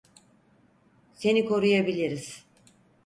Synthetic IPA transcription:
se̞niko̞ɾujabilʲiɾiz̥

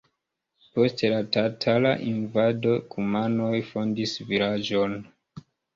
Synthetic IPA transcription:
po̞stlatatʰala̰ʔinvado̞kʰumanojfo̞ndisvilad͡ʒo̞n

